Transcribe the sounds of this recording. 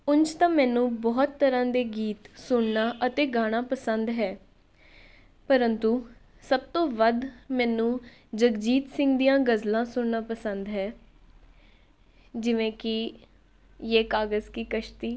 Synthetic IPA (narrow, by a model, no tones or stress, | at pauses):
ʊnt͡ʃt̪ãːmɛːnũːbɔːt̪ːəɾãːd̪eːɡiːt̪sʊɳnaːʔət̪eːɡaːɽ̃ãːpəsənd̪ɦɛː | pəɾənt̪uː | səb̚t̪õːʋəd̪mɛːnũː | d͡ʒəɡd͡ʒiːt̪sɪ̃ŋɡd̪ijãːɡəzlãːsʊɳnãːpəsənd̪ɦɛː | d͡ʒɪʋẽːkɪ | jeːkaːɡəzkiːkəʃt̪iː